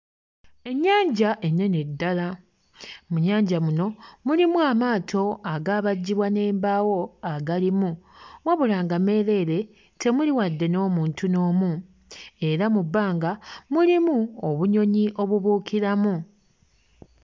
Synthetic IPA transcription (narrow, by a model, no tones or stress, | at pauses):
e̞ɲːaːɲɟaʔe̞nːe̞nedːala | muɲaːɲɟamuno̞mulimuamaːtʰo̞aɡaːβaɟːiβwane̞ːmbaːwo̞aɡalimumwaβulaːŋɡame̞ɾe̞ːɾe̞ | tʰe̞muliwadːe̞no̞ːmuːntuno̞ːmu | e̞ɾamubːaːŋɡamulimuoβuɲo̞ɲiʔo̞βuβuːkʰiɾamu